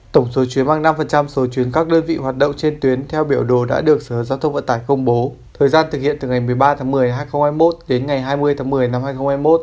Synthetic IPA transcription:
t̪ə˧˩wŋ͡mso˨˦t͡ɕwi˨˦ənmaː˧ŋna˧mfə˨˩nt͡ɕa˧mso˨˦t͡ɕwi˨˦ənkaː˦˥k̚ɗəː˧nvḭ˧˨ɦwaː˨˩t̚ɗo̰˧˨wŋ͡mt͡ɕe˧nt̪wi˨˦ənt̪ʰɛ˧wɓi˧˩əwɗo˨˩ɗa̰ː˧˥ɗɨ˨˩ək̚səː˧˩zaː˧wt̪ʰə˧ŋ͡mvə̰˧˨nt̪aː˧˩jkə˧wŋ͡mɓo˨˦ | t̪ʰəː˨˩jzaː˧nt̪ʰɨ˨˩k̚hḭ˧˨ənt̪ɨ˨˩ŋa˨˩jmɨ˨˩əjɓaː˧t̪ʰaː˨˦ŋmɨ˨˩əjɦaː˧jxə˧wŋ͡mhaː˧jmo˦˥t̚ɗe˨˦nŋa˨˩jɦaː˧jmɨ˧əjt̪ʰaː˨˦ŋmɨ˨˩əjna˧mhaː˧jxə˧wŋ͡mhaː˧jmo˦˥t̚

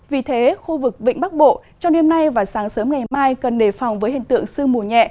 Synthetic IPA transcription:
vi˨˩t̪ʰe˨˦xu˧vɨ˨˩k̚ɓḭ˧˨ŋ̟ɓa˦˥k̚ɓo̰˧˨t͡ɕɔ˧wŋ͡mne˧mna˧jvaː˨˩saː˨˦ŋsəː˨˦mŋa˨˩jmaː˧jkə˨˩nɗe˧˩fɔ˨˩wŋ͡mvəː˨˦jhḭ˧˨ŋt̪ɨ̰˧˨əŋsɨ˧əŋmu˨˩əɲɛ̰˧˨ʔ

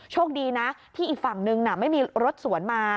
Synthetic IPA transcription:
t͡ɕʰoː˥˩k̚diː˧na˦˥t̪ʰiː˥˩ʔiː˨˩k̚fa˨˩ŋnɯ˧ŋna˨˩ma˥˩jmiː˧ɾo˦˥t̪̚su˨˩˦ənmaː˧

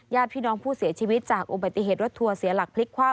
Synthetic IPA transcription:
jaː˥˩pʰiː˥˩nɔː˦˥ŋpʰuː˥˩si˨˩˦t͡ɕʰiː˧wi˦˥t̪̚t͡ɕaː˨˩k̚ʔu˧ba˨˩t̪ːi˧˨ɦeː˨˩t̪ɾo˦˥t̪ʰːu˧ɐsi˨˩˦ɐla˨˩k̚pʰli˦˥kʰwaː˥˩

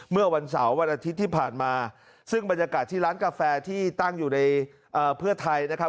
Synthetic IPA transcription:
mɯ˥˩ɐwa˧ns̬a˩˦wːa˧nʔaː˧t̪ʰi˦˥t̪ʰːiː˥˩pʰaː˨˩nmaː˧ | sɯ˥˩ŋba˧njaː˧kaː˨˩t̪ʰːiː˥˩ɾaː˦˥nkaː˧fɛː˧t̪ʰiː˥˩t̪a˥˩ŋjuː˨˩na˧j | ʔɤː˨˩pʰɯ˥˩ɐt̪ʰa˧jna˦˥kʰa˦˥

